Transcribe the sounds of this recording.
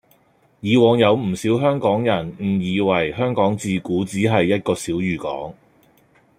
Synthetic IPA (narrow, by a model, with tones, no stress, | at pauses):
jiː˨˧wɔː˨˧ŋjɐ˨˧wm̩˨˩siː˨˥wɦœː˥ŋkɔː˨˥ŋjɐ˨˩nm̩˨˩jiː˨˧wɐ˨˩jhœː˥ŋkɔː˨˥ŋt͡siː˧kuː˨˥t͡siː˨˥ɦɐ˨jːɐ˥t̚kɔː˧siː˨˥wjyː˨kɔ̰ː˨˥ŋ